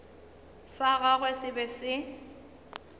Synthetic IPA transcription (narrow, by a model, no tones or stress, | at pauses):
saɣaɣwɛsɪbɛsɪ